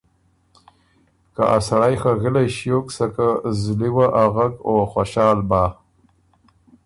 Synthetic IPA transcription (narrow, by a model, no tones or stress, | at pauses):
ka̰ʔasaɽajxaɣɪlajʃjoksakazliwaʔaɣakoxwaʃɑːlbɑː